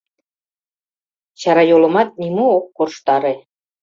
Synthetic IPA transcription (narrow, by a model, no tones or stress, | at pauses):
t͡ɕɑɾɑjolə̆mɑt̪̚nimuokːorʃt̪ɑɾe